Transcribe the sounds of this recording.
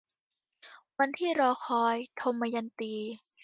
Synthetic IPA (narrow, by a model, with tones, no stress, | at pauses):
wa˧nt̪ʰiː˥˩ɾɔː˧kʰɔː˧jt̪ʰo˧mːaː˧ja˧nt̪iː˧